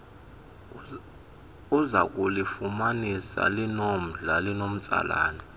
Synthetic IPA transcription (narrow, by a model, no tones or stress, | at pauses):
uzak̬ʼulifumanisa̰linom̩ɮalinom̩t͡sʼa̰la̰ːni